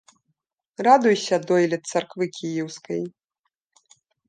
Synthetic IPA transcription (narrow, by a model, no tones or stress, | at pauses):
rad̪ujsʲɐd̪ɔjlʲɛt̪sarkvɨkʲijɛwskɐj